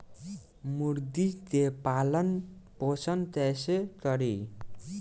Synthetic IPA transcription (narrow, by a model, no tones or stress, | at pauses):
muɾd̪id̪epalʌnposʰʌnt̪esekʌɾi